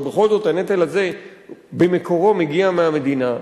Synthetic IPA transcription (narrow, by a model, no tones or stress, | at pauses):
beχo̞lzo̞t̪hanet̪alaze̞bemeko̞ʁo̞meɡiameame̞d̪ina